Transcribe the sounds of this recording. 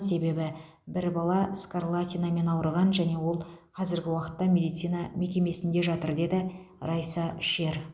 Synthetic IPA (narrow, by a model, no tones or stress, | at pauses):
se̞be̞bɪ | bɪɾbɑlˠɑskarlˠat̪ʲinɑme̞nɑwɾəʁɑnʒæne̞wo̞lˠqʰɑzɪɾɡʲɪwɑqə̥t̪ːɑmʲe̞d̪ijt̪sijnɑme̞kʲe̞me̞sɪnd̪e̞ʒɑt̪əɾd̪e̞d̪ɪ | rɑjsɑʃe̞ɾ